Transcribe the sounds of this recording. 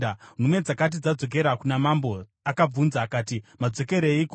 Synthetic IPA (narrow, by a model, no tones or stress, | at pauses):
ar̤umwe̞d͡zakat̬id͡zad͡zo̞k̬e̞ɾakunamambo̞ | akab͡vunzaːkaːtimad͡zo̞ke̞ɾeik